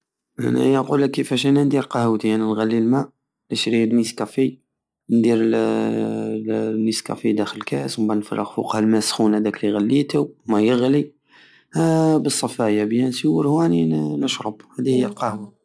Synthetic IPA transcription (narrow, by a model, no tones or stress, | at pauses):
ʔæ̰næ̰jæquləkːəfæʃænænd̪iɾqɑhwt̪iæninɣælːilmæʔ | ləʃɾiənmiskæfi | nd̪iɾ | niskæ̰fid̪æxələkæsmbænfɑ̰rˤːəɣfṵqhælmæsxunhæd̪ækliɣælːit̪əmæjəɣli | bəsˤːɑfæjabjænsiwəɾhæʕninəʃɾˤəbhæd̪ihəjːælqɑhwa